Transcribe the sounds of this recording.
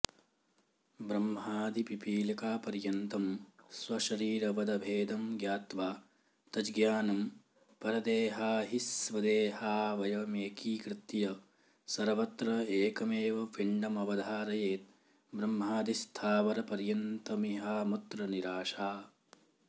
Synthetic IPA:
bɾɐmɦaːd̪ipipiːlɐkaːpɐɾjɐnt̪ɐmsʋɐʃɐɾiːɾɐʋɐd̪ɐbʱeːd̪ɐmɡjaːt̪ʋaː | t̪ɐd͡ʒɡjaːnɐm | pɐɾɐd̪eːɦaːɦisʋɐd̪eːɦaːʋɐjɐmeːkiːkɾɪt̪jɐ | sɐɾʋɐt̪ɾɐeːkɐmeːʋɐʋiɳɖɐmɐʋɐd̪ʱaːɾɐjeːt̪̚ | bɾɐmːɦaːd̪ist̪ʰaːʋɐɾɐpɐɾjɐnt̪ɐmiɦaːmut̪ɾɐniɾaːʃaː

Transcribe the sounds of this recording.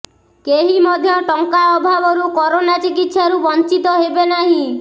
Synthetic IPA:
keɦimɔd̪ʱjɔʈɔŋkaɔbʱabɔɾukɔɾonat͡ʃikit̪ʃaɾubɔnt͡ʃit̪ɔɦebenaɦĩ

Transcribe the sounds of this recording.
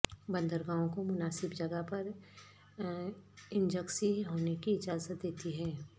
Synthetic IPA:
bɐ̃nd̪əɾɡãːõkomʊnaːsɪbd͡ʒɐɡəɦpɐɾ | ɪ̃nd͡ʒəksiɦoːnekiɪd͡ʒaːzət̪̚d̪eːt̪iɦɛː

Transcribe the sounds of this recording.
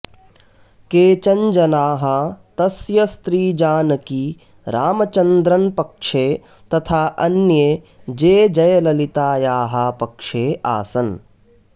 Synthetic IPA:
keːt͡ʃɐɲd͡ʒɐnaːɦɐt̪ɐsjɐst̪ɾiːd͡ʒaːnɐki | ɾaːmɐt͡ʃɐnd̪ɾɐnpɐkʂeː | t̪ɐt̪ʰaːʔɐnje | d͡ʒeːd͡ʒɐjɐlɐlit̪aːjaːɦɐpɐkʂeːʔa̰ːsɐn

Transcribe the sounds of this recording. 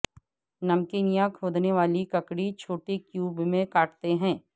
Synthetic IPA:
nɐmkiːnijãkʰoːd̪neʋaːlikɐkɽit͡ʃʰoːʈekjuːbmẽkaːʈt̪eɦɛ̃ː

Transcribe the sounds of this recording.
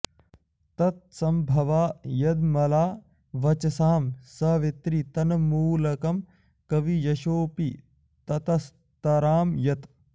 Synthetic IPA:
t̪ɐt̪̚sɐmbʱɐʋaːjɐd̪mɐlaː | ʋɐt͡ʃɐsaːmsɐʋet̪ɾit̪ɐnɐmuːlɐkɐm | kɐʋijɐʃoːpi | t̪ɐt̪ɐs | t̪ɐɾaːmjɐt̪

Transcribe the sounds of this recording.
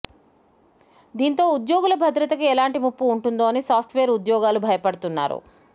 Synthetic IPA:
d̪iːnt̪o̞ːud̪joːɡulɐbʱɐd̪ɾɐt̪ɐkuɛlaːɳʈimupːuːɳʈund̪oːnisaːp̚ʰʈʰʋeːɾud̪jɔːɡaːlubʱɐjɐpɐɽut̪unːa̰ːɾṵ

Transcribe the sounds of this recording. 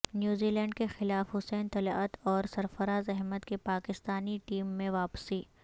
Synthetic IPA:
njuːziːlɛ̃ːɳɖkexɪlaːfɦʊsɛːnt̪ɐlət̪ɔːɾsɐɾfɐɾaːzɛɦmət̪kepaːkɪst̪aːniʈiːmːẽʋaːpsiː

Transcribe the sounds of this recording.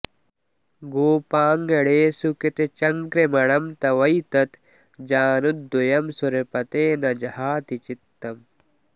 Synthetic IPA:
ɡoːpaːŋɡɐɽeːsukit̪et͡ʃɐŋkɾemɐɽɐmt̪ɐʋɐjt̪ɐt̪ | d͡ʒaːnud̪̚ojɐmsuɾepɐt̪eːnɐd͡ʒɐhaːt̪it͡ʃit̪ːɐm

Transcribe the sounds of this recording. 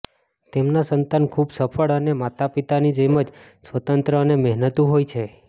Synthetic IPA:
t̪emnasənt̪ankʰubsəpʰəɭənemat̪apit̪anid͡ʒəjməd͡ʒ | sʋət̪ənt̪ɾəənemɛɦnət̪ũɦojt͡ʃʰe

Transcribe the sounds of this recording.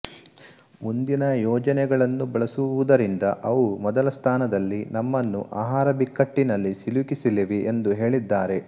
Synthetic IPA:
mund̪inɐjɔːd͡ʒɐnɛɡɐɭɐnːubɐɭɐsuʋud̪ɐɾind̪ɐʔɐʋumɔd̪ɐlɐst̪ʰaːnɐd̪ɐlːinɐmːɐnːṵʔaːɦaːɾɐbikːɐʈːinɐlːisilukisiliʋiʔend̪uɦe̞ːɭid̪ːaːɾe̞

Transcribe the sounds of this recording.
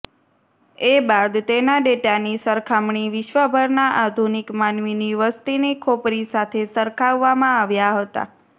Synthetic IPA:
ebad̪t̪enaɖeʈanisəɾkʰamɳ̃iʋɪʃʋəbʱəɾnaʔad̪ʱunikmanʋiniʋəst̪inekʰopɾisat̪ʰesəɾkʰaʋːamãaʋjaɦət̪a̰

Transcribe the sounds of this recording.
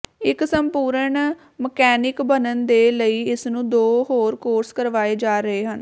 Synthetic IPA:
ɪksəmpuːɾəɳ | məkɛːnɪkbənənd̪eːləiːɪsnũːd̪oːɦoːɾkoːɾskəɾʋaːeːd͡ʒaːɾəɦeːɦən

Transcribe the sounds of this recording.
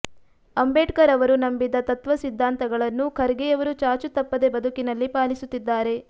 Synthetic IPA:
ɐmbeːʈkɐɾɐʋɐɾunɐmbid̪ɐt̪ɐt̪ʋɐsid̪ʱːaːnt̪ɐɡɐɭɐnːukʰɐɾɡɛjɐʋɐɾut͡ʃaːɾt͡ʃut̪ɐpːɐd̪e̞bɐd̪ʱukinɐlːipaːlisut̪ːid̪ːaːɾe̞

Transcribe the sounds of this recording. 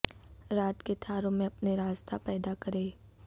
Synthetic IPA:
ɾaːt̪ket̪ʰaːɾõmẽɐpneɾaːzt̪ʰapɛːd̪akɐɾeː

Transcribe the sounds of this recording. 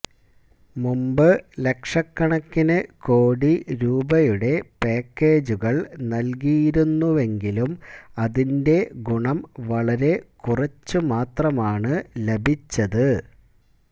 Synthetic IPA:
mumbɨle̞kʂɐkːɐɳɐkːinɨko̞ːɽiɾuːbɐjuɽe̞peːkːe̞ːd͡ʑuɣɐɭnɐlk̬ijiɾunːuʋe̞ŋɡilumɐðinde̞ɡuɳɐmʋɐɭɐɾe̞kurɐt͡ɕːɨmaːt̪rɐmaːɳɨlebʱit͡ɕːɐðɨ

